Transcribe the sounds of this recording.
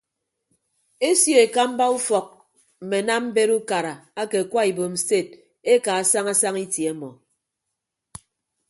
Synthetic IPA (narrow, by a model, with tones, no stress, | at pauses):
e˦sjo˦˨e˨ka˦m̩˦ba˦u˦fɔ˨k̚ | m̩˨me˨na˦m̩˦be˦ɾu˦ka˨ɾa˨a˦ke˨kʷa˦i˨bo˨m̩˨ste˦˨t̚ | e˦ka˨a˨sa˦ŋa˦sa˦ŋi˦tje˨˦mɔ̰˨